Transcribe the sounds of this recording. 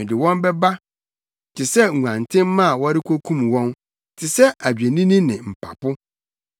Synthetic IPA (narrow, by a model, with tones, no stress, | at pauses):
ɪ̃˨dɪ˨wɔ̃˦mbɛ˦ba˦˨ | tʰɪ˨sɛ˦˨u˨ã˨ntʰɪ̃˦mːã˦˨wɔ˦ɾɪ˦kʰʷo˦kʰũ˦mwɔ̃˦n | tʰɪ˨sɛ˦a˨d͡ʑᶣe˨nĩ˦nĩ˦nɪ̃˨m̩˨pʰa̰˨pʊ˦